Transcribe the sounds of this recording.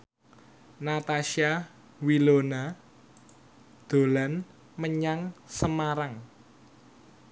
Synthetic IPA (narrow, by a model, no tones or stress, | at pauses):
nat̪aʃia | wilona | d̪̥o̤lan | məɲaŋsəmaɾaŋ